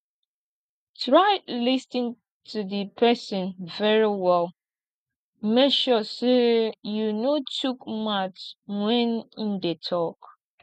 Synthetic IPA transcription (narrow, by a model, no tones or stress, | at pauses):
tɹaɪdlistĩn | tʰudəpʰɛsə̃nvɛɹiwɛl | mekʃɔsejunotukmat͡ʃwɛ̃nĩndetʰɔk